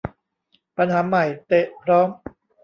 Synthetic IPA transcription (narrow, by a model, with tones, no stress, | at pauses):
pa˧nhaː˩˦ma˨˩jt̪e˨˩ʔpʰɾɔː˦˥m